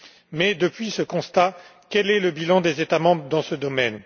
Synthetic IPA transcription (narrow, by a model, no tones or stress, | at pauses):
mɛd̪əpɥisəkɔ̃st̪akʲɛlɛləbilɑ̃d̪ezet̪amɑ̃bʁəd̪ɑ̃səd̪ɔmɛn